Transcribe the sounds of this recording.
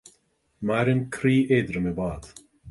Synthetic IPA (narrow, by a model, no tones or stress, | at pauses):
maɾɪnkʰɾiːʔeːd̪ɾəmɪbaːd̪̥